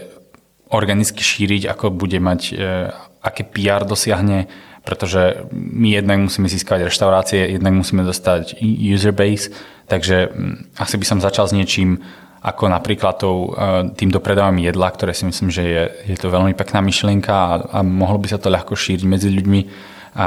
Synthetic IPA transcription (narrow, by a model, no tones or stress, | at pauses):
ɔɾɡanit͡ski̥ʃiːɾiɟa̰kɔbuɟɛmac | akɛːpiaɾd̪ɔsɪaɦɲɛpɾɛt̪ɔʒɛmijɛd̪naɡmusiːmɛziːskaʋaɟɾɛʃt̪aʊɾaːt͡siɛjɛd̪naɡmusiːmɛd̪ɔst̪aɟjuːzɛɾbɛɪs | t̪aɡʒɛasibisɔmzat͡ʃalzɲɪɛt͡ʃim | ʔa̰kɔnapɾiːklat̪ːɔʊt̪iːmd̪ɔpɾɛd̪aːʋamijɛd̪lakt̪ɔɾɛːsimisliːmʒɛjɛjɛt̪ɔʋɛʎmipɛknaːmiʃlɪɛŋkaa̰mɔɦlɔbisat̪ɔʎaxkɔʃiːɾiɟmɛd͡ziʎuɟmi | a